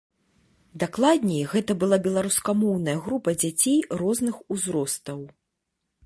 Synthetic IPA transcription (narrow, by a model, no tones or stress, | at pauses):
d̪aklˠad̪ʲnʲɛjɣɛt̪ɐbɨlˠabʲɛlˠaɾuskamɔwnɐjɐɣɾupɐd͡zʲat͡sʲejrɔznɨxuzɾɔst̪ɐw